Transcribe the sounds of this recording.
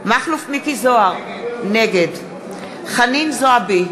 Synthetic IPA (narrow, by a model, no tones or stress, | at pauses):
maχlufmikizoaʁ | neɡed | χaninzoabi